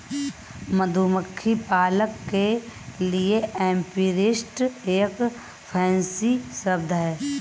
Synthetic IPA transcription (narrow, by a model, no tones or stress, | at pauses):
məd̪ʱuməkʰːipaːləkːelieɛ̃ːmpiːɾɪsʈeːk | pʰɛːnsisəb̚d̪ʱɦɛː